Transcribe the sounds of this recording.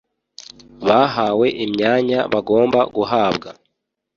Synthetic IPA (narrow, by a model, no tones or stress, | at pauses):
βaɦaːwe̞ʔimɲaːɲaβaɡo̞ːmbaɡuɦaːbɡa